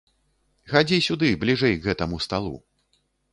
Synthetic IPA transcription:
xad͡zʲisʲud̪ɨblʲiʐɛjɡɣɛt̪ɐmust̪alˠṵ

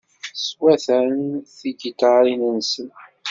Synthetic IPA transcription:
swæθənθiɡit̪aɾinənsən

